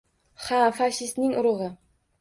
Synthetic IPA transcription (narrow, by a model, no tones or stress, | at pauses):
hafaʃɪst̪nɪŋʔʊɾʊʁɤ